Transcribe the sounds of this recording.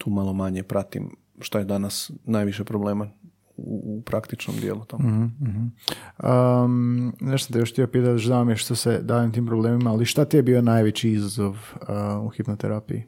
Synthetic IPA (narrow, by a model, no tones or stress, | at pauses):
t̪ʰuːmalˠomaɲepɾat̪ḭm | ʃt̪ojed̪anasnaːjʋiʃepɾobleːma | uupɾakt̪it͡ʃno̰md̪jḛːlut̪omhm̩ːɦm̩ə | neʃosant̪ijoʃxt̪iopiːt̪̬at̪d̪oʃd̪aomjeʃt̪osed̪aːjemt̪iːmpɾobleːmimaːliʃt̪at̪ijebiːonajʋet͡ɕiizazo̞ʋuxipnot̪eɾapḭji